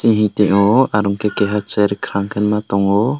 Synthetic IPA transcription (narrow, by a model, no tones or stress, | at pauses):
siɦĩt̪ɛʔɔaɾuŋkɛkɛɦat͡ʃɛɾikʰɾaŋkʰɛnmat̪ɔŋɔ